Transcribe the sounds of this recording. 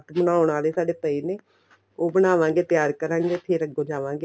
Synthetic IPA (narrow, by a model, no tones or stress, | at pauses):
t̪bənaːʊɳaːleːsaːɖeːpəiːneː | oːbəɽ̃aːʋãːŋɡeːt̪ɪjaːɾkəɾãːŋɡeːt̪ʰeːɾəɡõːd͡ʒaːʋãːŋɡeː